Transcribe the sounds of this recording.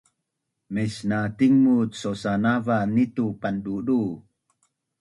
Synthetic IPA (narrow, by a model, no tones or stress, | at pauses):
mesnat̪iŋmutsosanavanit̪upandudu